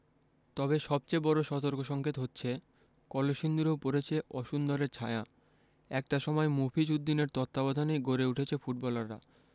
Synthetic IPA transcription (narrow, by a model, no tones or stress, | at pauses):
t̪ɔbeʃɔb̚t͡ɕebɔɾoʃɔt̪oɾkoʃɔŋkʰet̪ɦotːɕʰe | kɔloʃind̪uɾowpoɾet͡ɕʰeʔɔʃund̪oɾeɾt͡ɕʰaea | ɛk̚ʈaʃɔmɔemofʰid͡ʑud̪ːineɾt̪ɔt̪ːabɔd̪ʱanejɡʱoɾeuʈʰet͡ɕʰefuʈ̚bɔlaɾːa̰